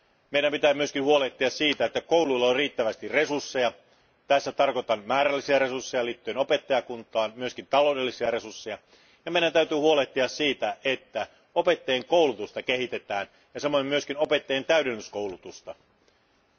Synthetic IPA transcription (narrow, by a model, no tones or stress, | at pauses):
meiɾæmpit̪æːmyøskinhuo̞leht̪ːˑiɑssiːt̪æet̪ːækouwluilːɑonriːt̪ːæʋæst̪irre̞sursːejɑ | t̪æsːæt̪ɑrkot̪ɑnmæːɾælːisiɑɾe̞sursːejɑliːt̪ːyenope̞t̪ːɑjɑkunt̪ˑɑːnmyøskint̪ɑlo̞ˑwdelːisiɑre̞sursːe̞jɑ | jɑmeiɾænt̪æyt̪yːhuoleht̪ːiɑssiːt̪æʔet̪ːæ | o̞pe̞t̪ːejeŋko̞ulut̪ust̪ɑkehit̪e̞t̪æːn | jɑsemːojemyø̞skino̞pe̞t̪ːejent̪æydenːyskowlut̪ust̪ɑ